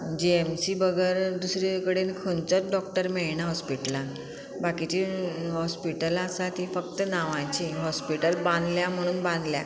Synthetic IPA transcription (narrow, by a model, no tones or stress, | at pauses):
d͡ʑiemsibəɡəɾd̪usɾekəɽenkʰont͡sət͡sɖɔk̚ʈəɾmeɭɳ̃aɦɔspiʈla | bakit͡ɕiɦɔspiʈəlasat̪ifəkt̪ənaʋãt͡ɕiɦɔspiʈəlbãnd̪ljam̤əɽ̃ũːnbãnd̪lja̰